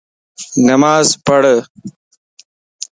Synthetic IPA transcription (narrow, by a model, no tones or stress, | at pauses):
nɐmaːzpɐɽə